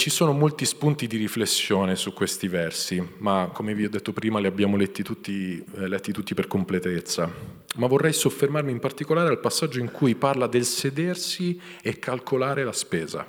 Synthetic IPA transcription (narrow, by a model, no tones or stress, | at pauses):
t͡ʃisoːnomolt̪ispunt̪id̪iɾiflesːjoːnesukːwest̪ivɛrsimakːomeviɔd̪ːet̪ːopɾiːmaliabːjaːmolɛt̪ːit̪ut̪ːilɛt̪ːit̪ut̪ːiperkomplet̪et̪sːa | mavːorːɛjsofːermarmimpart̪ikolaːɾealpasːad͡ʒːoiŋkʰujparlad̪elsed̪ersi | ekːalkʰolaːɾelaspɛːza̰